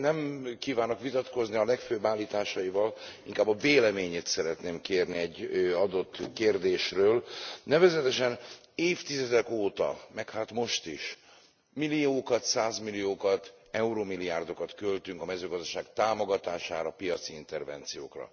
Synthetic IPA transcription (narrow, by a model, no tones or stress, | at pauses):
nɛmkiːvaːnokʋit̪ɒt̪ko̞zniɒlɛkføːbːaːlːiːt̪aːʃɒivɒliŋkaːbːɒveːlɛmeːɲeːt̪sɛɾɛt̪neːmkeːrniɛɟːɒd̪o̞t̪ːkeːrd̪eːʃrøːlnɛvɛzɛt̪ɛʃɛn | eːft̪izɛd̪ɛkoːt̪ɒ̰mɛkhaːt̪mo̞ʃt̪iʃ | milijoːkɒt̪saːzmilijoːkɒt̪ | ɛuɾoːmilijaːrd̪o̞kɒt̪kølt̪yŋkɒmɛzøːɡɒzd̪ɒʃaːɡt̪aːmoɡɒt̪aːʃa̰ːɾɒpijɒt̪siint̪ɛrvɛ̰nt̪sijo̰ːkrɒ̰